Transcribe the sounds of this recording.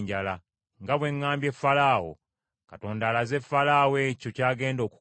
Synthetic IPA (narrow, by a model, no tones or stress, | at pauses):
ɲɟala | ŋɡaβwe̞ŋːaːmbje̞fːalaːwo̞̰ | kato̞ːndaːlazefalaːweco̞caːɡe̞ːndo̞ːku̥